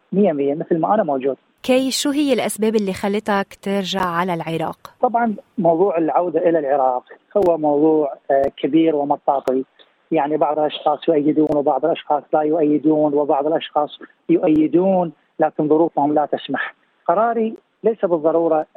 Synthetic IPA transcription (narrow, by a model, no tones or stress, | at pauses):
mɪjːamɪjːamɪθlmaʔanamowd͡ʒuːd̪̥̚ | kejfʃuːɦɪjːɪlʔasbeːbɪlːixalːɪt̪akt̪ɪɾʒaʕːalalʕɪɾˤɑ̰ːqt̪ˤɑbʕɑnmɑwðˤuːʕɪlʕawd̪aʔɪlalʕɪɾɑːqhʊwːamɑwðˤuːʕkʰabiːɾwɪmɑt̪ˤːɑːt̪ˤi | jaʕnibɑʕðˤɨlʔɑʃxɑːsˤjʊʔajːɪd̪uːnwbɑʕðˤɨlʔɑʃxɑːsˤlajʊʔajːɪd̪uːnwɪbɑʕðˤɪlʔɑʃxɑːsˤ | jʊʔajːɪd̪uːn | laːkɪnðˤʊɾuːfhʊmlat̪ɪsmaħ | qɑɾˤɑːɾi | lejsabɨðˤːɑɾˤuːɾˤɑ